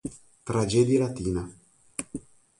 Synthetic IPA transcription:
t̪ɾad͡ʒed̪jalat̪iːna

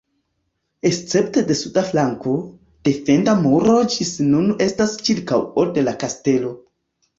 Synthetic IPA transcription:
e̞st͡se̞pte̞de̞sudaflaŋko̞ | d̥e̞fe̞ndamuɾo̞d͡ʒisnune̞stast͡ʃiɾkawode̞lakaste̞lo̞

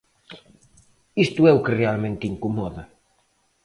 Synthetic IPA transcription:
ist̪uɛukerealmẽnt̪iŋkumɔðɐ

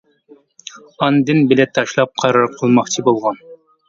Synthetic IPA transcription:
ɑnd̪ɨnbɪlɛt̪ʰːɑʃlˠɑp̚qʰɑɾɑɾqʰəlˠmɑχt͡ʃʰibolˠʁɑn

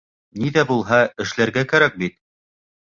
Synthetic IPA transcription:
niðæbulˠɦɑɘ̆ʃlæɾɡækæɾæk̚bit̪

